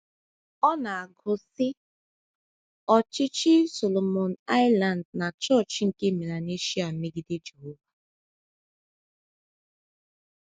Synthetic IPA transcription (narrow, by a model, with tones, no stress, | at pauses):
ɔ˦na˨a˨ɡʊ˨sɪ˦ | ɔ˨t͡ʃɪ˦t͡ʃɪ˦so˨lo˨mo˨na˦ɪ˦la˨n˨dna˨t͡ʃɔ˦˨t͡ʃŋ̩˦ke˦˨me˨ɾa˨ne˦ʃi˦a˨me˦ɡi˦de˦d͡ʒe˨ɦo˦va˨